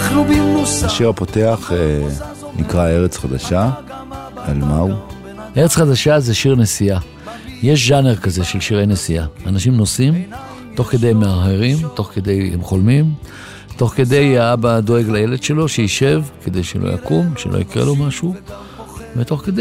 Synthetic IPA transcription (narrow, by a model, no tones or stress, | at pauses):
lubimosaʃiʁapo̞t̪eaχe | nḭkʁae̞ʁet͡sχad̪aʃa | almau | ʔeʁet͡sχad̪aʃaze̞ʃiʁne̞sia | je̞ʃ̬ʒaneʁkaze̞ʃe̞lʃiʁejnesiaanaʃimno̞sim | t̪o̞χke̞d̪e̞jemːeaɦeʁimt̪o̞χke̞d̪e̞jemχo̞lmim | t̪o̞χke̞d̪e̞jaabad̪o̞e̞ɡlaje̞le̞d̪ʃe̞lo̞ʃeiʃe̞vke̞d̪e̞jʃelʔo̰ja̰kumʃḛlo̰ḭkʁḛlo̞maʃu | vet̪o̞χked̪e